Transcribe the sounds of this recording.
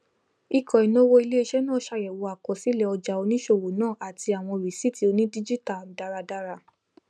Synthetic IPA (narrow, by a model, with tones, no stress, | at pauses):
i˦˨kɔ̃˨i˨nõ˦wo˧˦i˧le˦e˧ʃɛ˦nãː˦˨ʃa˧jɛ˨wo˨˧a˨kɔ˨si˨˦lɛ˦˧ɔ˧d͡ʒa˨o˧nĩ˦ʃo˦˨wo˨˦nãː˦˨ʔa˨ti˧a˨w̃ɔ̃˧ɾi˨si˦ti˧˦o˧nĩ˦di˦d͡ʒi˦ta˦˨da˧ɾa˧da˧ɾa˧